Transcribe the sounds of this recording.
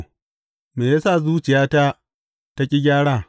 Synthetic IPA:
meː˨jaː˦sa˦˨zuː˦t͡ʃɪ˨jaː˦ta˦ | ta˦kʲʼɪ˦ɡʲaː˦ɽaː˦˨

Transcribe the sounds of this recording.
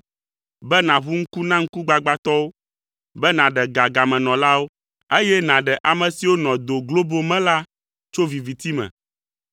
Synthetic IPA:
bɛ˦nã˨βu˦ŋ̩˦ku˦nã˦ŋ̩˦ku˦ɡ͡ba˨ɡ͡ba˦t̪ɔ˦wo˦ | bɛ˦nã˨ɖɛ˨ɡa˨ɡa˨mɛ̃˨nɔ̃˨la˦wo˦ | e˦jɛ˦nã˨ɖɛ˨ʔa˨mɛ̃˨si˨wo˦nɔ̃˨d̪o˨ɡlo˦bo˦mɛ̃˦la˦ | t͡ʃo˦vi˨vi˨t̪i˦mɛ̰̃˨

